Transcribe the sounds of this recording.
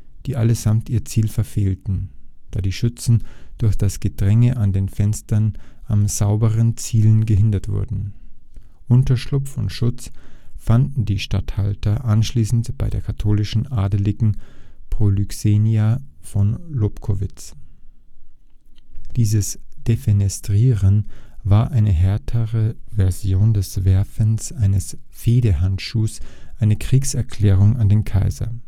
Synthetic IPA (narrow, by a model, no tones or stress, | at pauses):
d̥iːʔaləzamtʔiːɐt͡siːlfɛɐfeːltn̩d̥aːdiːʃʏt͡sn̩d̥ʊɐçd̥asɡ̥ədʁɛŋəʔandeːnfɛnstɐnʔamzaʊbəʁənt͡siːlənɡəɦɪndɐtv̥ʊ̰ɐdn̩ | ʔʊntɐʃlʊpfʊntʃʊt͡sfandn̩diːʃtathaltɐʔanʃliːsn̩tb̥aɪdeːɐkʰatʰoːlɪʃn̩ʔaːdəlɪɡŋ̩pʁ̥olykseːniafɔnlopkʰovɪt͡s | d̥iːzəsd̥efenɛstʁ̥iːʁənvaːɐʔaɪnəɦɛɐtʰəʁəvɛɐzjoːndɛsvɛɐfənsʔaɪnəsfeːdəhantʃuːsʔaɪnəkʁ̥iːksɛɐkʰl̥ɛːʁ̞ʊŋandeːnkʰaɪzɐ̰